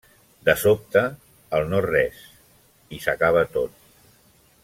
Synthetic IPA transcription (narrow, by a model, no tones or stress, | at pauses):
d̪əsop̚t̪əː | lˠnɔrɛs | isəkaβ̞ət̪ot̪̚